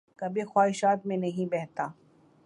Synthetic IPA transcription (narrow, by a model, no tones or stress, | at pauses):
kɐbʱixwaːɦɪʃaːt̪mẽnɐɦĩbɛɦt̪aː